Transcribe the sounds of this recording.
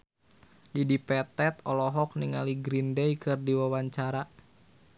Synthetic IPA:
lidipɛt̪ɛt̪ɔlɔɦɔk̚niŋaliɡɾindɛjkɨrdiwawaɲt͡ʃaɾa

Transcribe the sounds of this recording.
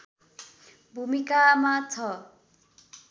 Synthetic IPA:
bʱumikamat͡sʰʌ

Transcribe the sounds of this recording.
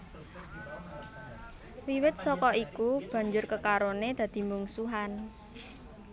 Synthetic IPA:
wiwɪt̪̚sɔkɔikub̥a̤ɲd͡ʒʊrkəkaɾoned̪̥a̤d̪̥i̤muŋsuɦan

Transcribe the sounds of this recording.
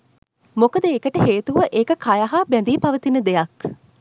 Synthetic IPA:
mokəd̪əekəʈəɦeːt̪uʋəʔekəkʰajaɦabænd̪iːpaʋət̪inəd̪ejak

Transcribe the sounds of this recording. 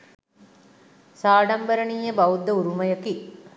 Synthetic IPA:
saːɖambəɾəɳiːjəbaud̪ːəuɾumɐjəki

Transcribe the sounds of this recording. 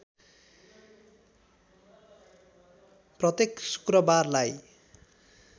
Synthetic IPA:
prʌt̪eksu̥krʌbarlaj

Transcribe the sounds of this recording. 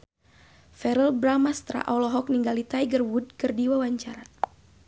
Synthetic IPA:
fɛɾəlbɾamast̪ɾa̰ʔalɔɦɔk̚niŋɡalit̪ajɡərwud̚kɨrdiwawaɲt͡ʃaɾa

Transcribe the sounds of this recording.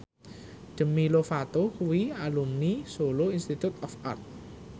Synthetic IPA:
ɖ̪̥ə̤milofat̪okuwialumnisoloinst̪it̪ut̪̚ɔfa̰rt̪̚

